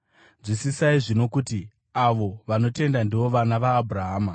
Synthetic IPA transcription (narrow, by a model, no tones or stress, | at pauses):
ʐisisaiʐino̞kuti | aʋo̞ʋano̞te̞ndandiʋo̞ʋanaʋaːbʱuɾaɦaːma